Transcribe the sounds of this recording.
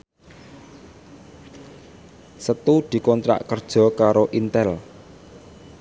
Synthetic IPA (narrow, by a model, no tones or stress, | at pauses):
sət̪ud̪̥i̤kɔnt̪ɾa̰ʔkərd̥ʒ̥ɔ̤kaɾoʔint̪ɛl